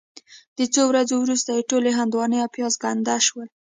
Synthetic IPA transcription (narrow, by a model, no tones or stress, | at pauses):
d̪̥ət͡sowɾazowɾust̪ajeʈoleɦand̪wɑnəjapjɑzɡand̪aʃwəl